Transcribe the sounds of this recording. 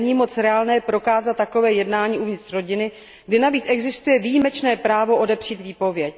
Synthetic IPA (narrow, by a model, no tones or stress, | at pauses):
ɲiːmo̞t͡sɾɛaːlnɛːpɾo̞kaːzat̪ːako̞vɛːjɛdnaːɲiːʔuvɲɪt̪r̥ro̞ɟɪnɪ | ɡdɪnaviːt͡sɛɡzɪst̪ujɛvijimɛt͡ʃnɛːpɾaːvo̞ʔo̞dɛpr̝̥iːt̪viːpo̞vjɛc